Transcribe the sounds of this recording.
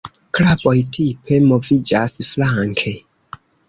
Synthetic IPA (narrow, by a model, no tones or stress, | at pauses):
klabojtʰipʰemovid͡ʒasflaŋkʰe